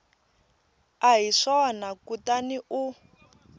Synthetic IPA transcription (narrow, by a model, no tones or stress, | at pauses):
aɦiʂɔnakutaniʔu